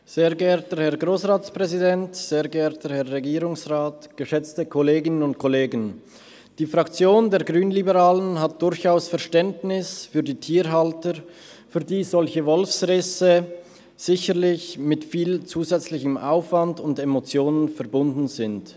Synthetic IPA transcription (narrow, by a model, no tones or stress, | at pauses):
z̥eːɡəɛːɐtəhɛɐɡʁoːsʁaːt͡spʁ̥ɛzidɛntz̥eːɡəɛːɐtəhɛɐʁɛɡiːʁʊŋsʁaːtɡ̥əʃɛt͡stəkʰɔleːɡɪnənʊntkʰɔleːɡən | d̥iːfʁakt͡sjoːndeːɐɡʁyːnlibəʁaːlənɦat̚d̥ʊɾçaʊsfɛɐʃtɛndnɪsfyːdiːtʰiːɾɦaltəɾ | fyːɐdiːzɔlçəvɔlfsʁɛsə | z̥ɪçəʁlɪçmɪtfiːlt͡suːzɛt͡slɪçəmʔa̰ʊfv̥andʊndemot͡sjoːnənfɛɐbʊndn̩zɪnt